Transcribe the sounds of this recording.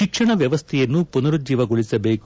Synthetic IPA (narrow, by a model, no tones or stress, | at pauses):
ikʂɐɳɐʋjɐʋɐst̪ʰɛjɐnːupunɐɾud͡ʒiːʋɐɡoɭisɐbeːk